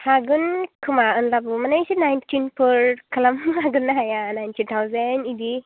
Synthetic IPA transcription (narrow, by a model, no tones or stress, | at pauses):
haɡɯnkʰɯmaɯnlabɯmanajsinajntʰinpʰɯɾkʰalamhaɡɯnːaɦajanajntʰitʰawzenidi